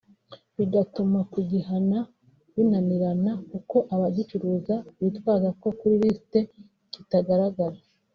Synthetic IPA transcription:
βiɡatumakuɟihana | winaniɾanakuko̞ʔaβaɟut͡ʃuɾuːzaβitwaːɡako̞kuɾiɾiste̞ | kitaɡaɾaɡaɾa

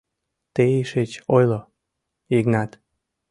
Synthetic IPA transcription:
t̪eiʃet͡ɕojlo | iɡnat̪

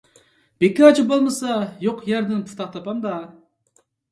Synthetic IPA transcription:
b̥ekʲɑːt͡ʃʰibolˠmɨsɑjoqjɛɾd̪ɨnp̪ʰu̥t̪ʰɑq̚t̪ʰɑpɑmd̪ɑ

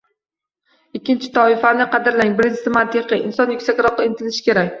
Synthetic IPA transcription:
ɪkʲːɪnt͡ʃʰɪ̥t̪ʰɒɪfanɪqʰɑd̪ɪɾlaŋbɪɾɪnt͡ʃɪ̥sɪmant̪ʰeqɨʔɪnsɒnjʊkʲsakʲɾɒqːɑɪnt̪ʰɪlɪʃɪ̥kʲe̞ɾakʲ

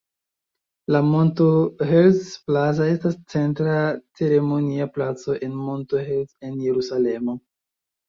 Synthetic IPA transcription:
lamo̞ntoɦelsplazae̞stast͡se̞ntɾat͡se̞ɾe̞mo̞niaplat͡so̞ʔe̞nmo̞ntoɦelse̞nje̞ɾusale̞mo̞

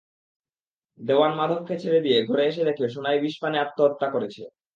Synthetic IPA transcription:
d̪eoanmad̪ʱokket͡ɕʰeɾed̪ijeɡʱoɾeeʃ̬ed̪ekʰioʃonajbiʃpaneap̚t̪ːot̪ːakoɾet͡ɕʰe

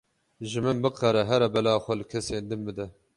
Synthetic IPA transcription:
ʒɨmɨmbɨqʰɐɾɛɦɛɾɛbɛlaːxʷɛlɨkʰɛseːnd̪ɨmbɨd̪ɛ

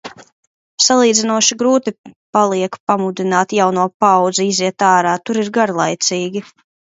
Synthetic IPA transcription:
salˠiːd̪zinuɔʃiɡɾuːt̪ipalˠiɛkpamud̪inaːt̪jawnuɔpawd̪ziiziɛt̪aːɾaːt̪uɾiɾɡaɾlˠajt̪siːɡʲi

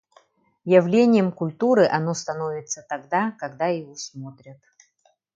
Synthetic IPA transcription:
jɐvlʲenʲɪjəmkʊlʲt̪uɾɨʔɐnost̪ɐnovʲɪt̪sət̪ɐɡd̪akɐɡd̪ajɪvosmot̪ɾʲət̪

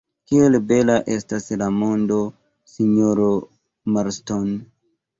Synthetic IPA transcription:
kielbe̞laʔe̞staslamo̞ndo̞ | siɲoɾo | maɾston

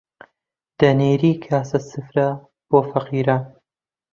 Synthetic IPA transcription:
d̪̥ɐneːɾiːkʰaːsɐsɨfɾɐ | b̥oːfɐqiːɾɐn

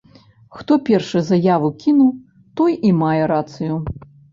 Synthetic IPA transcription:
xt̪ɔpʲɛrʂɨzɐjavɨkʲinuw | t̪ɔjimajɛɾat̪sɨju

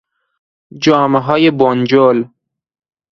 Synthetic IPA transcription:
d͡ʒɑːmeɦɔːjebond͡ʒol

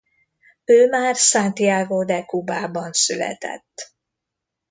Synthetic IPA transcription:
øːmaːrsant̪ijaːɡoːd̪ɛkubaːbɒnsylɛ̰t̪ɛ̰t̪ː

